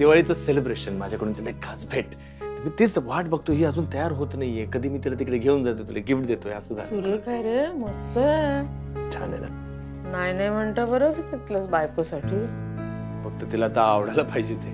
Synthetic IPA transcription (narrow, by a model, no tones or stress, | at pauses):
d̪iʋaɭit͡səselebɾeɕənmad͡ʑʱjakəɽuːnt͡ɕenajkʰat͡sbʱeʈ | t̪əmiːt̪it͡sʋaʈbəɡ̚t̪oɦiːəd͡zuːnt̪əjaɾɦot̪najːekəd̪ʱiːmiːt̪ilat̪ikɽeɡʱeuːnd͡zat̪ot̪ilaɡifʈ̚d̪et̪oeəsəːd͡zʱa̰luɾəɾkajɾeməst̪ə | t͡ɕʰa̰na̰na̰ | najnajm̤əɳt̪abəɾət͡st̪it̪lət͡sbajkosaʈʰiː | bəɡ̚t̪ət̪ilat̪aːʋɽalapaɦid͡ʑet̪e